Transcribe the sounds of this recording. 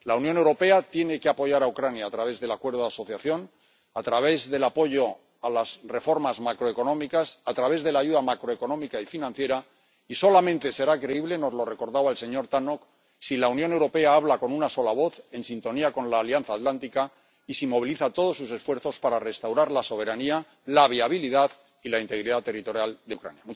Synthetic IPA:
launjo̞ne̞wɾo̞pe̞at̪je̞ne̞ke̞apo̞ʝaɾawkɾanjaːt̪ɾaβ̞e̞zðe̞lakwe̞ɾðoðaso̞θjaθjo̞n | at̪ɾaβ̞e̞zðe̞lapo̞ʝo | alazre̞fo̞ɾmazmakɾo̞e̞ko̞nõ̞mikasat̪ɾaβ̞e̞zðe̞laʝuðamakɾoe̞ko̞nomikaifinãnθje̞ɾa | iso̞lamẽnt̪e̞se̞ɾakɾe̞iβle̞no̞zlo̞re̞ko̞ɾðaβaelse̞ɲo̞ɾt̪anok | silaunjone̞wɾo̞pe̞aaβlako̞nunaso̞laβ̞o̞θe̞nsint̪o̞niakõ̞nlaːljanθaːt̪lant̪ika | isimo̞βiliθat̪o̞ð̞o̞sːus̬e̞sfwe̞ɾθo̞spaɾare̞st̪awɾaɾlaso̞β̞e̞ɾania | laβ̞iaβ̞iliðað | ilaint̪e̞ɣɾiðat̪e̞rit̪o̞ɾjald̪eṵkɾa̰njamu

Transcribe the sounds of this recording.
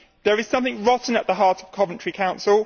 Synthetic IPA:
ðəɹɪz̥sʌ̃mθɪ̃ŋɹɒʔn̩əʔðəɦɑˑtəv̥kʰɒvə̃nt͡ʃɹ̥ikʰãʊ̃nsɪlˠ

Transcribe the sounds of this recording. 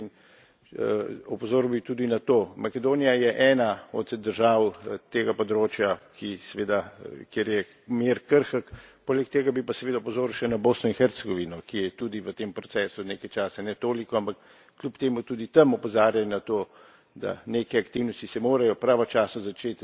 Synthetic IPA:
in | ɔpɔzoːɾwbit̪ud̪inat̪oːmakɛd̪oːnijajɛʔɛːnaɔ̰t̪d̪əɾʒaːwt̪eːɡapɔd̪ɾoːt͡ʃjakʰisɛʋeːd̪akjeɾjɛ | meɾkəɾxəkpoːlɛkt̪eːɡabipasɛʋeːd̪apɔzoːɾuʃɛnaboːsnɔinxɛɾt̪sɛɡɔʋinɔkijɛt̪uːd̪iʋət̪eːmpɾɔt̪sɛːsud̪nekajt͡ʃaːsɛnɛt̪oːlikɔampakː | lʲjupt̪eːmut̪uːd̪it̪ɐmɔpɔzaːɾjanat̪oː | d̪a̰neːkɛakt̪iwnɔst̪isɛmoːɾajɔpɾaːʋɔt͡ʃaːsnɔzat͡ʃet̪

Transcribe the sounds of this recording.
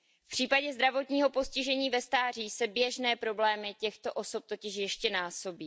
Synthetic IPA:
pr̝̥iːpaɟɛzd̪ɾavo̞t̪ɲiːɦo̞po̞scɪʒɛɲiːvɛst̪aːr̝iːsɛbjɛʒnɛːpɾo̞blɛːmɪcɛxt̪o̞ʔo̞so̞p̚t̪o̞cɪʃjɛʃcɛnaːso̞biː

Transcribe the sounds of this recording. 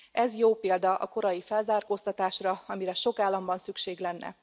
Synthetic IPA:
ʔɛzjoːpeːld̪ɒʔɒ̰ko̞ɾɒjifɛlzaːrkoːst̪ɒt̪aːʃrɒɒmiɾɛʃo̞kaːlːɒmbɒnsykʃeːɡlɛnːɛ̰

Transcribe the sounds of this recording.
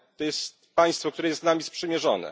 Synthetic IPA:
t̪ɔjɛst̪̚paj̃st̪fɔkt̪uɾɛjɛsnamʲijɛspʂɛmʲjɛʐɔnɛ̰

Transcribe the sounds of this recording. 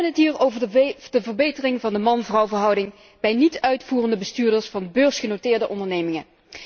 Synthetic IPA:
ənətɦiːɹowvədəvəɹbejtərɪŋvɑndəmɑnvrɑwvəɹɦɑwdɪŋ | b̥ɛjnitœɥtfuːrəndəbəstyːɹdəɹsfɑnbøːɹsχənotɪːɹdəʔɔndəɹnejmɪŋə

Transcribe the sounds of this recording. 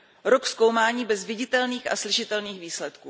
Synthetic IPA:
ɾoksko̞wmaːɲiːbɛzvɪɟɪt̪ɛlniːxa̰slɪʃɪt̪ɛlniːxviːslɛt̪kuː

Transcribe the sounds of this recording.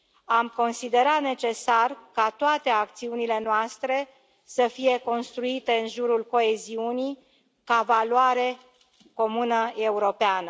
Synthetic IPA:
amko̞nsid̪e̞ɾat̪ne̞t͡ʃe̞sarkat̪oat̪e̞ak̚t̪siunile̞noast̪ɾe̞ | səfije̞ko̞nst̪ɾuit̪e̞ɨnʒuɾulko̞e̞ziuni | kavalwaɾe̞ | ko̞munəe̞uɾo̞peanə

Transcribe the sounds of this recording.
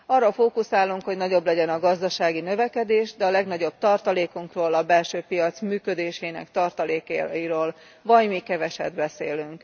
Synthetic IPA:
ɒrːɒfoːkusaːlːuŋkho̞ɟnɒɟo̞blɛɟɛnɒɡɒzd̪ɒʃaːɡinø̞vɛkɛd̪eːʒd̪ɛɒlɛɡnɒɟo̞b̥̚t̪ɒrt̪ɒleːkuŋkroːlɒbɛlʃøːpijɒt̪smyːkød̪eːʃɛinɛ̰kt̪ɒrt̪ɒleːkiɾoːl | vɒɟmikɛvɛʃɛ̰d̪bɛsḛːlyŋk

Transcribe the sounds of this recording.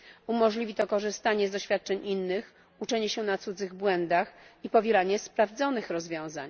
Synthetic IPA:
umɔʐlʲivʲit̪ɔkɔʐɘst̪aɲɛzd̪ɔɕfʲjat̪̚t͡ʂɛɲʔinːɘx | ut͡ʂɛɲɛɕɛnat̪sud̪zɘɣbwɛnd̪axipɔvʲjɛlaɲɛspɾavd̪zɔnɘxɾɔzvʲjɔ̃w̃za̰ɲ

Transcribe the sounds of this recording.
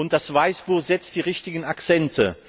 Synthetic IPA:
ʊnt̚d̥asv̥aɪsb̥uːz̥ɛt͡std̥iːʁɪçtɪɡn̩akt͡sɛntʰə

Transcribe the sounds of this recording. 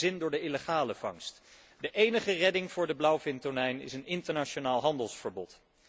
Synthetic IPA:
ɪndʊːɹdəɪləχaːləv̥ɑ̰ŋst | dəʔejnəχərɛdɪŋvʊːɹdəblawfɪntonɛjnɪ̰sənɪntəɹnat͡ʃonaːlˠɦɑndəlˠsfəɹbɔt

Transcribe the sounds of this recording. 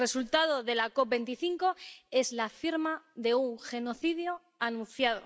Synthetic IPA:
e̞sult̪að̞o̞ðe̞lako̞p̚be̞nt̪iθiŋko̞e̞zlafiɾmaðe̞uŋxe̞no̞θiðjo | anũn̟θjaðo̞̰

